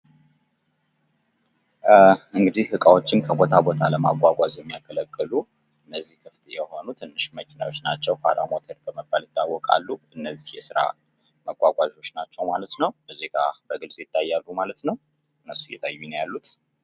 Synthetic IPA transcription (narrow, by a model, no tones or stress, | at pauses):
ʔɨŋɡɨd̪ihhɨkʼawo̞t͡ʃːɪnkʰəbo̞t̪ʰabo̞t̪ʰaləmaɡʼʷaɡʷʼazjɛmːijakʰːələkʼːɨlu | ɨnːəzːihkʰɨft̪ʰjɛho̞nut̪ʰɨnːɨʃməkʰina̰wo̞t͡ʃːnat͡ʃːɛwfaɾa̰mot̪ʰəɾbəməbːalɪt̪ʼːawɔkʼa̰lːuʔɨnːəzːihjɛsɨɾa̰ | məkʷʼaɡʷʼaʒo̞t͡ʃːnat͡ʃːɛwmalət̪nəwbəzeɡabəɡɨlsʼjɪt̪ʰʼːajːalːumalət̪nəw | ɨnːəsujɛ̰t̪ʰajːunjalːut̪